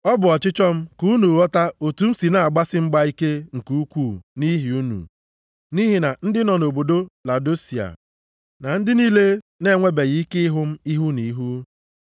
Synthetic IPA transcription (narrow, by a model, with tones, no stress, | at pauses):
ɔ˦bʊ˨ɔ˨t͡ʃɪ˦t͡ʃɔ˦m̩˦ku˦nu˨ɔ˦ta˦o˨tu˨˦m̩˦si˨na˨a˨ɡ͡ba˦sɪ˦ŋ͡m̩˦ɡ͡ba˦i˦ke˦ŋ̩˨ku˦u˦kʷuː˦˨ni˦ɦi˨u˦nṵ˨ | ni˦ɦi˨na˨n̩˦dɪ˦nɔ˨no˨bo˨do˦la˨do˦si˨a̰˨ | na˨n̩˦dɪ˦ni˦le˦ | ne˦˨ŋʷe˦be˨ɣi˨i˦ke˦ɪ˦ɦʊ˦m̩˦i˦ɦu˦ni˨˦ɦu˦